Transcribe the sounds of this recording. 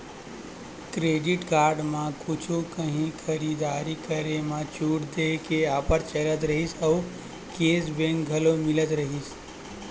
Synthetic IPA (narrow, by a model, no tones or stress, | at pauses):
kɾeɖiʈkaːɾɖmãkʊt͡ʃʰukəɦĩkʰəɾid̪aːɾikəɾemãt͡ʃuːʈd̪ekeaːpəɾt͡ʃələt̪ɾəɦisəʊ | keːsbẽŋkɡʱəlomɪlət̪ɾəɦis